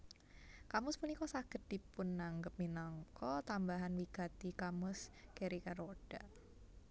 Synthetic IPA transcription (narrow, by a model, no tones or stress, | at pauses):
kamʊspunikɔsakət̪̚d̥ipʊnːaŋɡəp̚minaŋkɔt̪ambaɦanwiɡ̥a̤t̪ikamʊskeɾikaɾoɖ̥a